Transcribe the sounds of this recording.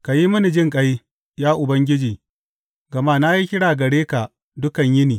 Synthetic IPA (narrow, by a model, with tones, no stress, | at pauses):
ka˨ji˦mʊ˦ni˨d͡ʒɪ˦ŋkʼɐ˦j | jaː˦ʔʊ˨bɐ˦ŋɡʲɪ˦d͡ʒiː˨ | ɡɐ˨maː˦na˦ji˦kʲɪ˦ɽaː˨ɡɐ˨ɽeː˦ka˨ | dʊ˦kɐ˨ɲjɪ˦niː˨